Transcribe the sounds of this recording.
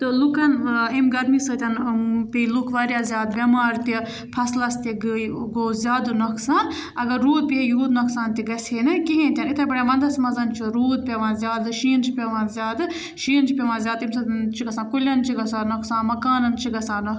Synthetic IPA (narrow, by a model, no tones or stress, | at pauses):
t̪ɨlukɐnimɡɐɾmisɨt̪ʲɐnpilukʰʋaːɾjaːzʲaːd̪ʋʲɐmaːɾt̪i | pʰɐslɐst̪iɡɡoːzʲjaːd̪ɨnɐkʰsãːn | ɐɡɐɾːuːd̪̚pʲijuːd̪nɐksaːnt̪iɡɐsʲeːnɨkiɦẽːnt̪ʲɐnit̪ʰɐbɐɽaʋɐnd̪ɐsmɐzɐnt͡ʃʰiɾuːd̪̚pʲeʋãːnzʲjaːd̪ɨʃiːnt͡ʃʰipʲeʋãːzʲaːd̪ɨ | ʃiːnt͡ʃʰipʲeʋãːzʲjaːd̪imsɐt͡ʃʰiɡɐsãːkulʲɐnt͡ʃʰiɡɐsaːnɐkʰsãːnmɐkaːnɐnt͡ʃʰiɡɐsãːnɐ